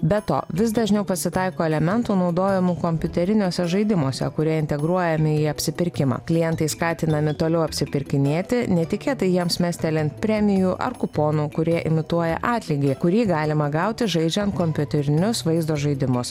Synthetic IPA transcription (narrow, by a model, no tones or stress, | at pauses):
bʲɛt̪o̰ːʋʲɪs̬d̪ɐʒʲnʲɛʊpɐsʲɪt̪ɑɪkoːɛlʲɛmʲɛnt̪uːnɒʊd̪oːjɪmuːkɔmʲpʲʊt̪ʲɛɾʲɪnʲoːsʲɛʒɐɪd̪ʲɪmoːsʲɛ̰kʊɾʲiɛɪnʲt̪ʲɛɡɾuɔjɛmʲɪiːɐpʲsʲɪpʲɪɾʲkʲɪmɑ̰ːklʲɪjɛnt̪ɐɪskɑːt̪ʲɪnɐmʲɪt̪oːlʲɛʊɐpʲsʲɪpʲɪɾʲkʲɪnʲeːt̪ʲɪnʲɛt̪ʲɪkʲeːt̪ɐɪjiɛmsmʲæsʲt̪ʲɛlʲɪnt̪pʲɾʲæːmʲɪjuːʔɐ̰ɾkʊpoːnuːkʊɾʲiɛʔɪmʲɪt̪uɔjɛ̰ʔɑːt̪ʲlʲiːɡʲeːkʊɾʲiːɡɑːlʲɪmɐɡɐʊt̪ʲɪʒɐɪd͡ʒʲɛnt̪kɔmʲpʲʊt̪ʲɛɾʲɪnʲʊsʋɐɪzd̪oːʒɐɪd̪ʲɪmʊs